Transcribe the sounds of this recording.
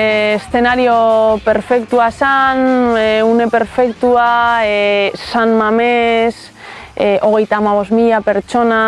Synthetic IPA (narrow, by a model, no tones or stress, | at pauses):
sθe̞naɾiope̞ɾfe̞kt̪uasanune̞pe̞ɾfe̞kt̪ua | sanmames | ʔo̞ɣe̞jt̪aːmaβ̞o̞zmiʎape̞ɾt͡ʃo̞na